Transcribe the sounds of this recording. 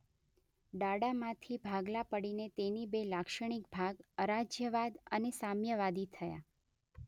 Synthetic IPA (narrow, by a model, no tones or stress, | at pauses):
ɖaɽamãt̪ʰibʱaɡlapəɽinet̪enibelakʃəɳ̃ikbʱaɡəɾad͡ʒjəʋad̪ənesamjəʋad̪it̪ʰəja̰